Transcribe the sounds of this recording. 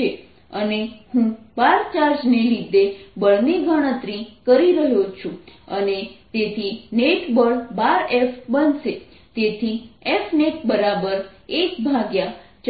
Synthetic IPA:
e | ənehũbaɾt͡ʃaɾd͡ʒnelid̪ʱebəɭniɡʱəɽ̃ət̪ɾĩkəɾiɾəɦjot͡ʃʰũənet̪et̪ʰineʈbəɭbaɾefbənʃe | t̪et̪ʰiefneʈbəɾabəɾekbʱãɡjat͡ʃ

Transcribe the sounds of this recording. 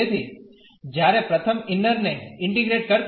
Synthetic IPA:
et̪ʰi | d͡ʒjaɾepɾət̪ʰəmɪnːəɾneɪ̃ɳʈiɡɾeʈ̚kəɾt̪

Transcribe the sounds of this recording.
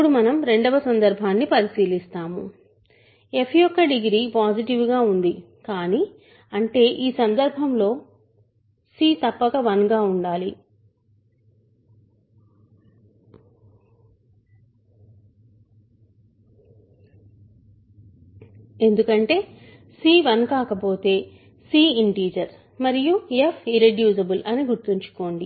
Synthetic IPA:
puɽumɐnɐmɾe̞ɳɖɐʋɐsɐnd̪ɐɾbʱaːnːipɐɾisiːlist̪aːmu | e̞pʰjɔkːɐɖiɡɾiːpaːsiʈiʋuɡaːund̪i | kaːni | ɐɳʈe̞ːʔiːsɐnd̪ɐɾbʱɐmlo̞ː | siːt̪ɐpːɐkɐʋɐnɡaːuɳɖaːli | e̞nd̪ukɐɳʈe̞ː | siːʋɐnkaːkɐpo̞ːt̪e̞ː | siːiɳʈiːd͡ʒɐɾ | mɐɾijuefʰiɾeɖjuːsɐbulʔɐniɡuɾt̪iɲt͡ʃu̥ko̞ːɳɖi

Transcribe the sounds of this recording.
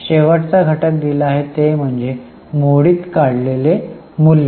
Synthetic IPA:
ɕeʋəʈt͡saɡʱəʈək̚d̪iləaɦet̪em̤əɳd͡ze | moɽiːt̪kaɽlele | mulːe

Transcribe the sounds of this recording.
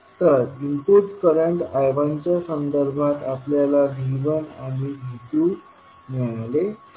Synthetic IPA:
t̪əɾimpudkəɾəɳʈajʋaɲt͡ɕjasənd̪əɾbʱat̪apljalad͡ʑiʋəna̰miɡʱit̪u | neɭle

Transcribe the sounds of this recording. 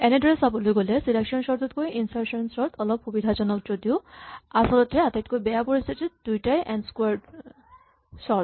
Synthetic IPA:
ɛneɖʱɔɾesapolujɡolesilakʃɔnʃɔɾt̪ot̪̚koiʔinsaɾʃɔnsɔɾt̪ʰɔlɔb̚kubid̪ʱad͡ʑɔnɔk̚d͡ʑod̪iuasɔlɔt̪eat̪eʈkojbɛapoɾist̪ʰit̪it̪d̪ujʈajʔɛnskuaɾɖ | ʃɔɾt̪

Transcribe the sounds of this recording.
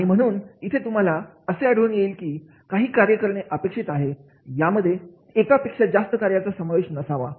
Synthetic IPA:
aɽ̃im̤əɽ̃uːnit̪ʰet̪um̤ala | əseəɽ̤uːnjeiːlkiː | kaɦiːkaɾjəkəɾɳeʔəpekʂit̪aɦe | jaməd̪ʱːje | ekapekʂad͡zast̪əkaɾjat͡sasəmaʋeɕnəsaʋa̰

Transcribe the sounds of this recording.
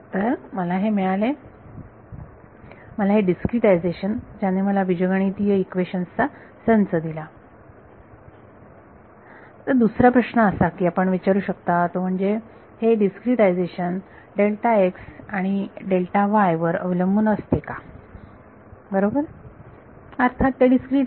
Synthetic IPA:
t̪əɾməlaɦemiɭale | məlaɦeɖiskɾiʈaid͡zeɕənd͡ʑanːeməlaʋid͡ʑəɡaɳ̃it̪ijəikʋeɕənst͡sa | sənt͡səd̪ila | t̪əɾd̪usɾapɾəɕɳəəsakiːapəɳʋit͡ɕaɾuːɕəkt̪at̪om̤əɳd͡ze | heɖiskɾiʈajd͡zeɕən | ɖelʈaeksaɽ̃iɖelʈaʋajʋəɾə̰ʋ̤iləmbunəst̪eka | bəɾobəɾ | əɾt̪ʰat̪ːeɖiskɾiːʈ

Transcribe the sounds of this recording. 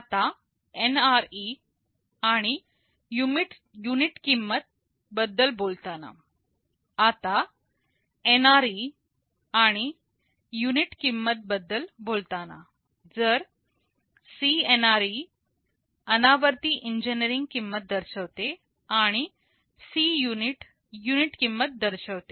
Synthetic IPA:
at̪a | enaɾi | aɽ̃i | jumiʈ | juniʈkimːət̪̚ | bəd̪ːəlbolt̪ana̰ | at̪a | enaɾi | aɽ̃i | juniʈkimːət̪̚bəd̪ːəlbolt̪ana̰ | d͡zəɾ | sienaɾi | ənaʋəɾt̪iːʔiɲd͡ʑenəɾiŋɡkimːət̪̚d̪əɾɕəʋt̪e | aɽ̃i | sijuniʈ | juniʈkimːət̪̚d̪əɾɕəʋt̪e

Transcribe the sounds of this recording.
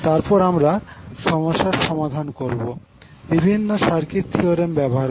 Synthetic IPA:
t̪aɾpɔɾamɾaʃɔmoʃaɾʃɔmad̪ʱankoɾbo | bibʱinːoʃaɾkit̪t̪ʰːioɾembɛboɦaɾ

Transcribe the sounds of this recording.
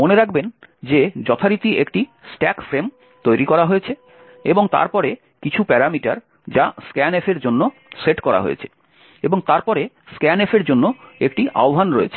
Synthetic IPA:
moneɾakʰbend͡ʑed͡ʑɔt̪ʰaɾit̪iʔekʈisʈɛkfɾem | t̪ojɾikɔɾaɦoet͡ɕʰe | eboŋt̪a̰ɾpɔɾe | kit͡ɕʰupɛɾamiʈaɾ | d͡ʑaskɛnefʰeɾd͡ʑonːo | seʈkɔɾa̰ɦo̰ḛt͡ɕʰe̥ | eboŋt̪aɾpɔɾe | skɛnefeɾd͡ʑonːoekʈiʔa̰oɦanɾoḛt͡ɕʰe̥

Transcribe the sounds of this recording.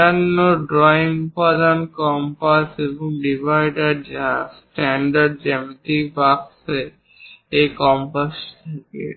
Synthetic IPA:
anːoɖɾɔiŋpad̪ankɔmpaseboŋɖibʱajɖaɾd͡ʒsʈɛɳɖaɾɖ̚d͡ʒɛmt̪ibakse | ejkɔmpasʈʰakḛʈ

